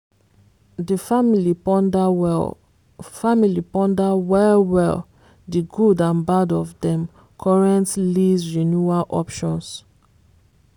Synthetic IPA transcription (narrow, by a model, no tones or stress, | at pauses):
dəfamilind | familipɔ̃ndawɛlwɛl | diɡudãnbadɔvdɛ̃m | kʰɔɹɛ̃ntlizɹinjualʔɔpʃɔ̃ns